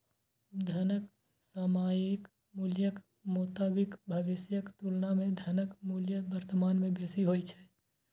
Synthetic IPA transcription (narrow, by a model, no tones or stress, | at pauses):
d̪ʱɐnək | saːmaːjɪk | muljək | mot̪aːbɪkbʱɐʋɪsjəkt̪ulnamẽd̪ʱənəkmuljəbəɾt̪əmaːnmẽbeːsiɦoit͡ʃʰɛ